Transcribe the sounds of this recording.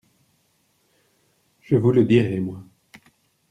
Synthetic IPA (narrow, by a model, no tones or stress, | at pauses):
ʒ̥əvuləd̪iʁɛmwa